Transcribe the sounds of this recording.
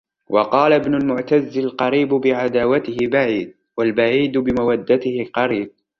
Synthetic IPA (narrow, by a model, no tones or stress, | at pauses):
wʔɑqɑːlaɪbnʊlmʊʕt̪azːɪlqɑɾiːbbɪʕad̪aːwat̪ɪhɪbaʕiːd̪̚ | walbaʕiːd̪bɪmawad̪ːat̪ɪhɪqɑɾiːb̚